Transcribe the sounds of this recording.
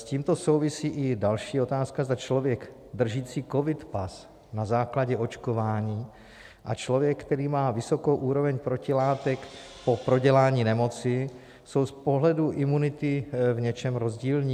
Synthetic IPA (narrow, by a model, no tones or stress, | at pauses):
sciːmt̪o̞sowvɪsiːʔɪdalʃiːo̞t̪aːskazd̪at͡ʃlo̞vjɛɡ | d̪r̩ʒiːt͡siːko̞vɪt̪pas | nazaːklaɟɛo̞t͡ʃkovaːɲiː | ʔat͡ʃlo̞vjɛkːt̪ɛɾiːmaːvɪso̞kowʔuːɾo̞vɛɲpɾocɪlaːt̪ɛk | po̞pɾo̞ɟɛlaːɲiːnɛmo̞t͡sɪ | so̞wspo̞ɦlɛduʔɪmunɪt̪ɪvɲɛt͡ʃɛmɾo̞zɟiːlɲiː